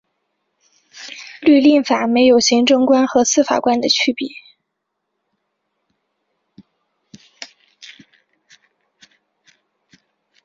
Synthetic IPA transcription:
ly˥˧li˥˩ŋfa˨˩me˧˥ɪjo˨˩ʊɕi˧˥ŋʈ͡ʂɤ˥ŋkwa˥nxɤ˧˥sɹ̩˥˩fa̰˨˩kwa˥nd̪ə˨t͡ɕʰy˥pḭ˨˩˦

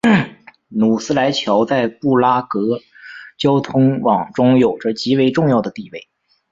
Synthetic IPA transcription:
nu˨˩sɹ̩˥la˧˥ɪt͡ɕʰjɑ˧˥ʊt͡sa˥˧ɪpu˥˩la˥kɤ˧˥ | t͡ɕjɑ˥ʊt̪ʰʊ˥ŋwɑ˨˩ŋʈ͡ʂʊ˥ŋjo˨˩ʊʈ͡ʂə˦t͡ɕi˧˥we˧˥ɪʈ͡ʂʊ˥˧ŋjɑ˥˩ʊd̪ə˩t̪i˥˧we˥˩ɪ

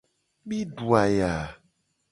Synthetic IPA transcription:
mi˦ɖu˨a˨ja˨

